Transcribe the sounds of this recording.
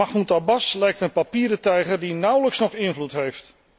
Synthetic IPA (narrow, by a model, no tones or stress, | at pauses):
ɑχuntabɑslɛjk̚tənpapiːɾətɛjχərdinʌwləksnɔχɪnvlutɦejft